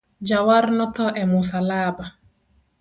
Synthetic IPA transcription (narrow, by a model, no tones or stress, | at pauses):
d͡ʒawaɾnɔt̪ɔʔɛmʊsalaba